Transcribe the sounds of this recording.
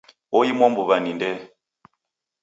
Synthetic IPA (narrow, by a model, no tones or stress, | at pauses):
ɔjimwɔmbuβanindɛ